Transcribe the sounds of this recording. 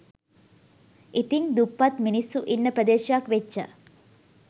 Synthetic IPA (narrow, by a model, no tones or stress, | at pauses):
it̪iŋd̪upːat̪minisːuʔinːəpɾəd̪eːʃakʋeʃə̰